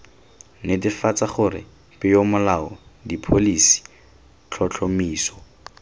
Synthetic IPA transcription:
nɪtɪfat͡saχʊɾɪ̰ | pʼɪjomʊlaɔdipʰolisi̥ | t͡ɬʰɔt͡ɬʰɔmiːsɔ̥

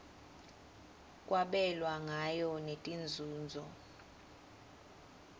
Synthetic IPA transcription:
kʼwʔaɓɛlwaŋajɔnetʼind͡zʱuːnd͡zʱɔ

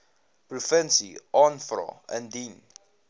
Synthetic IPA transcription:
pɾufɛ̃nsiɔnfɾɔ̰ɛ̰̃ndĩn

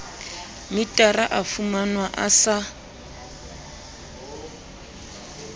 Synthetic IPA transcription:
mitʼaraʔafumanwaʔasa

